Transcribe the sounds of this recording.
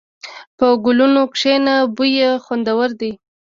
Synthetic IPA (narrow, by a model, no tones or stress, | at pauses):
pəɡʊlunokʂenabujexwand̪awəɾd̪i